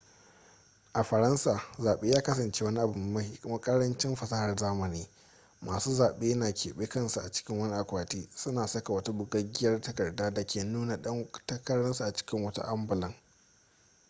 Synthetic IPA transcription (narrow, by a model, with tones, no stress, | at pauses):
ʔa˨ɸɐ˨ɾɐ˦nsaː˨zaː˨ɓeː˦jaː˦kɐ˦sɐ˨nt͡ʃeː˦wɐ˦ni˦ʔa˨bʊ˨m˨mɐ˦hi˦kʊ˦mɐ˦kʼɐ˦ɽɐ˦nt͡ʃɪ˦mɸɐ˨sɐ˦hɐ˨rzaː˦mɐ˨niː˦ | maː˨suː˦zaː˨ɓeː˦jnaː˨kʲʰḛː˨ɓeː˦kɐ˦nsu˨ʔa˨t͡ʃɪ̥˦kʲɪ˦ŋwɐ˦ni˦ʔa˨kʷaː˨tiː˦sʊ˦naː˨sɐ˦ka˨wɐ˦ta˦bʊ˦ɡɐ˦ɡʲɪ˦jɐ˦rtɐ˦kɐ˨rdaː˦da˨kʲeː˨nuː˦na˨ɗɐ˦ŋtɐ˦kɐ˦ɽɐ˦nsa˨ʔa˨t͡ʃɪ̥˦kʲɪ˦ŋwɐ˦ta̰˦ʔa˦mbʊ˨lɐ˦ŋ